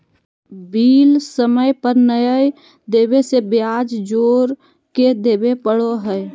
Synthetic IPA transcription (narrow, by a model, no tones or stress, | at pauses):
biːlsəməjpəɾnəjəj | d̪eːbesebjad͡ʒd͡ʒoːɾ | ked̪eːbepəɽoɦəɪ